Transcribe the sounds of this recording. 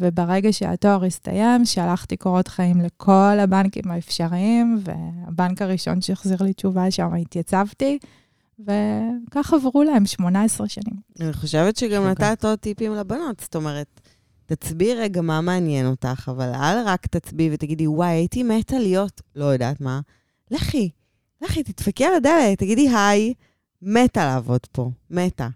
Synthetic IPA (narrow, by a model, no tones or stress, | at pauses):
vebeʁeɡaʃḛa̰to̞aʁista̰je̞mʃealaχtikoʁo̞tχaimle̞kʰo̞labankḭmaefʃaʁiimvḛabankaʁiʃo̞̰nʃeeχziʁlit͡ʃuvaʃamaitjat͡savti | ve̞kaχavʁulae̞mʃmo̞naesʁeʃanimaniχo̞ʃevetʃeɡamnatatotipimlabano̞tst̪o̞meʁetː | at͡sbiʁeɡamameːnjeno̞taχavala̰lʁakt̪at͡sbivetaɡidiwajajitimetalijo̞tlojoda̰tma | leχi | leχit̪itfakialadelettːaɡidiɦaj | metaleːvo̞dpo̞meta̰